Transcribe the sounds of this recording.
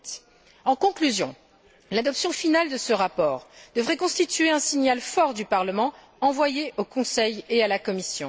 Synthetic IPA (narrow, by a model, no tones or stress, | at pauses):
ɑ̃kɔ̃klyzjɔ̃ | lad̪ɔpsjɔ̃finald̪əsəʁapɔːʁd̪əvʁɛkɔ̃st̪it̪ɥeɛ̃siɲalfɔʁd̪ypaʁləmɑ̃ | ɑ̃vwajeʔokɔ̃sɛjealakɔmisjɔ̰̃